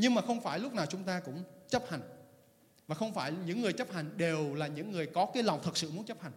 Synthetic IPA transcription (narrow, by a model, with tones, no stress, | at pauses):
ɲɨ˧ŋmaː˨˩xə˧wŋ͡mfaː˧˩jlʊ˦˥k͡p̚naː˨˩wt͡ɕʊ˨˦ŋ͡mt̪aː˧kʊ̰˧˥ŋ͡mt͡ɕə˦˥p̚ha˨˩jŋ̟ | vaː˨˩xə˧wŋ͡mfaː˧˩jɲɨ̰˧˥ŋːɨ˨˩əjt͡ɕə˦˥p̚ha˨˩jŋ̟ɗe˨˩wlaː˨˩ɲɨ̰˧˥ŋːɨ˨˩əjkɔ˨˦kaː˨˦jla˨˩wŋ͡mt̪ʰɨ˨˩t̚sɨ̰˧˨mu˨˦nt͡ɕə˦˥p̚ha˨˩jŋ̟